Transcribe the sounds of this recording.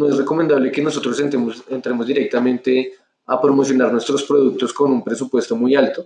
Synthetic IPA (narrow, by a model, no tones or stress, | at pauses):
noe̞sre̞ko̞mẽnd̪aβle̞ke̞no̞so̞t̪ɾoseent̪ɾe̞mozd̪iɾe̞k̚t̪amẽ̞nt̪e̞ | apɾo̞mo̞sjo̞naɾnwe̞st̪ɾo̞spɾo̞ðuk̚t̪o̞sko̞numpɾe̞s̬upwe̞st̪o̞mujalt̪o